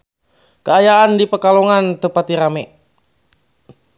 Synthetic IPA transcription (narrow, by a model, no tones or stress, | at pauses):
kəajaandipəkalɔŋant̪əpat̪iɾamɛ